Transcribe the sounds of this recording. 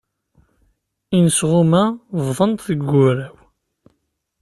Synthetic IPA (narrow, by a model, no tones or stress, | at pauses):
insʁʊmævðˤənt̪θəɡːʊɾæw